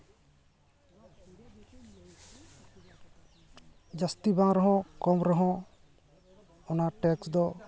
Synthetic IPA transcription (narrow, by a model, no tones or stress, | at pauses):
d͡ʒast̪ibaŋɾɔɦɔ̃kɔmɾɔɦɔ̃ | ɔnaʈɛksd̪ɔ